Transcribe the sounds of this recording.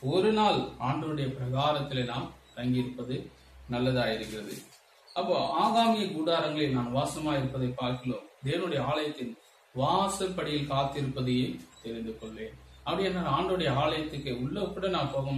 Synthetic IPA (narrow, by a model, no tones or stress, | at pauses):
ɔɾɯnaːlaːɳɖɐlɯɽɐjɐpɪɾɐɣaːɾɐt̪ːɪleːnaːm | t̪ɐŋɡɪɪɾɯpːɐðɯ | nɐlːɐðaːjɪɾɯkːɪrɐðɯ̰ | ɐpːoːaːɣaːŋɡɪjɐkuːðaːɾɐŋɡɐɭeːnaːnʋaːsɐɐmaːɪɾɯpːɐðɐɪpːaːɾkɪlo̰ːmd̪eːʋɐnɯɽɐjɐaːlɐjɐt̪ːɪn | ʋaːsɐpːɐɽɪjɪlkaːt̪ːɪɾɯpːɐðɯjet̪ɛɾɪnd̪ɯkɔɭːeːnɐpːɐɽɪjɛnːaːlaːɳɖɐɭɯɽɐjɐaːlɐjɐt̪ːɯkːeʊɭːopːɯɽɐnaːmpoːɣɐ